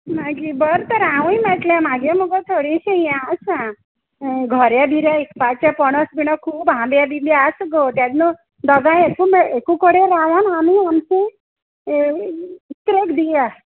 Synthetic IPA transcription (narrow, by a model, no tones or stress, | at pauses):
maɡibəɾt̪əɾaʋũjmat̪ljãmaɡẽməɡət̪ʰoɽiɕejãəsã | ɡʱəɾjabʱiɾjaekpat͡ɕjapɔɽ̃əsbinɔkʰuːpɦãmbjabibeasɡot̪jat̪nu | d̪əɡãekumeekũkəɽeɾaʋənamiamse | t̪ɾekd̪ija